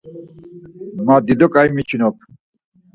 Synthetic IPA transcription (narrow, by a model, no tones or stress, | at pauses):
mad̪id̪okajmit͡ɕʰinop̚ʰ